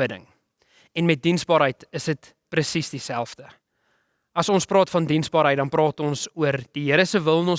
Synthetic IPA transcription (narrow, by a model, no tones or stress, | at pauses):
ədə̰ŋ | ɛnmɛt̚dinsbɑːɾɦəjtəsdət | prəsisdisælˠfdə | ɐsɔnsprɑːtfɐndinsbɑːɾɦəjt̚dɐnprɑːtɔnsuərd̥iɦəɾəsəvəlˠnɔn